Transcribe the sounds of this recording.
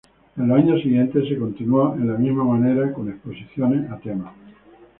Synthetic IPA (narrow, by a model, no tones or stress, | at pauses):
enloaɲosiɣjent̪es̬ekõ̞nt̪inwoenlamizmamãne̞ɾako̞nehposiθjoneat̪ema